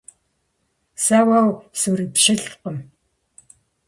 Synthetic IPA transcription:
saːwawsuːripʃɪɬqəm

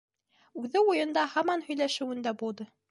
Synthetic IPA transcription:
ʉðɘujɤ̆nd̪ɑhɑmɑnhɵ̆jlæʃɘ̆wɘ̆nd̪æbulˠd̪ɤ

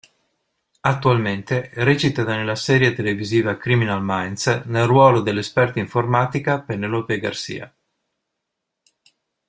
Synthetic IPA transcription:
at̪ːualment̪eret͡ʃit̪ad̪anelːasɛːɾjet̪eleviziːvakɾiminalmajnsnelrwɔːlod̪elːespɛrt̪aiɱformaːt̪ikapenelopeɡa̰rsḭːa̰

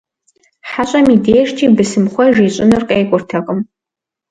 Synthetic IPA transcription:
ħaɕʷʼamidejʂtʰibɨsɨmχʷɔʒiɕʷʼʊnɨrkʼejkʷʼʊrtʰakʼəm

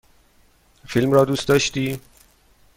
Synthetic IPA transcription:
filmɾɒːd̪uːst̪d̪ɒːʃt̪iː

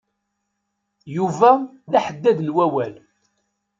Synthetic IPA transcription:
juvæ | ðæħəd̪ːæðnwæwæl

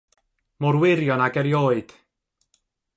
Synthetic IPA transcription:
mɔɾwɪɾjɔnaɡɛɾjoːɨd̥

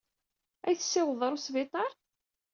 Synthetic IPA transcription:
æjθə̥sːɪwəðˤəɾˤʊsvɪt̪ˤɑɾˤ

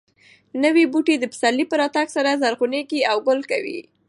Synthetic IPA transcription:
nəwibuʈed̪əpə̥salːipəɾɑt̪aɡsaɾazaɾɣuneɡiawɡʊlkawḭ

